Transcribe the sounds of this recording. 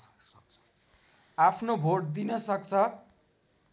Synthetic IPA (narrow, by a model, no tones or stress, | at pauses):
apʰnobʱoɽd̪inʌsʌk̚t͡sʰʌ